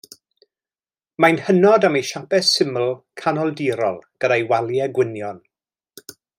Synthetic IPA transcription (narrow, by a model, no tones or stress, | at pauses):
majnhənɔdamejʃapɛsɪməlˠkʰanɔlˠdiːɾɔ̰lˠɡ̥ədajwalˠjɛɡwɪnjɔn